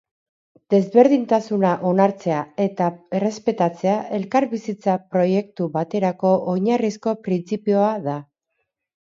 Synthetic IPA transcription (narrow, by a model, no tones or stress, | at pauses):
d̪e̞zβe̞ɾð̞int̪asunaʔo̞naɾt͡se̞ae̞t̪ae̞re̞spe̞t̪at͡se̞aʔe̞lkaɾβisit͡sapɾo̞je̞k̚t̪uβat̪e̞ɾako̞ʔoɲarisko̞pɾint͡sipio̞aða